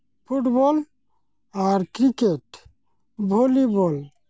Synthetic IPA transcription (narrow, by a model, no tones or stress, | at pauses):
pʰuʈbɔl | aɾkɾikeʈ | bʱolibɔl